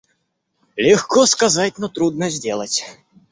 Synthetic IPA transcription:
lʲɛxkɔskazatʲnɔt̪ɾud̪nɐzʲdʲelˠɐt͡sʲ

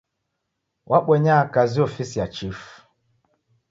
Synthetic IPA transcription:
wʔaɓwɛɲakaziɔfisijat͡ʃif

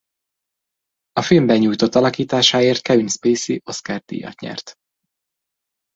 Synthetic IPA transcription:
ɒfilmbɛɲuːjt̪o̞t̪ːɒlɒkiːt̪aːʃaːeːrt̪̚kɛvinspeːsiʔo̞skard̪ḭːjɒ̰t̪ɲɛ̰rt̪

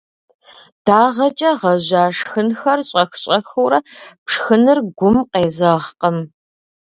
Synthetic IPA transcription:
d̥aːʁɐt͡ʃʼɐʁɐʑaːʂxɨnxɐrɕʼɐxɕʼɐxuwɾɐpʂxɨnɨrɡʷʊmqeːzɐʁqəm

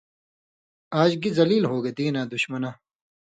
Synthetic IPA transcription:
aːd͡ʑɡizɐliːlɦoːɡed̪iːnaːd̪ʊɕmɐnaː

